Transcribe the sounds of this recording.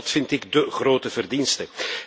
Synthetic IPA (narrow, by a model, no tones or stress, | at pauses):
tfɪntɪɡdəχroːtəvərdinstə